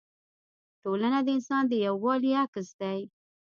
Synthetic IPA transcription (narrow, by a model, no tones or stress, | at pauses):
ʈolanad̪əɪnsɑnd̪əjawːɑliakəsd̪aj